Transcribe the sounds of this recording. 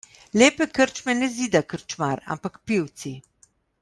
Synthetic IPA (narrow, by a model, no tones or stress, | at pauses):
leːpɛkəɾt͡ʃmɛnɛziːd̪akəɾt͡ʃmaɾa̰mpakpiwt̪si